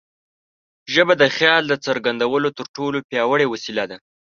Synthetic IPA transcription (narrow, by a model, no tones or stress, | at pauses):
ʒəbad̪əxjɑld̪ət͡səɾɡand̪awəlot̪əɾʈolopjɑwəɽewasilad̪a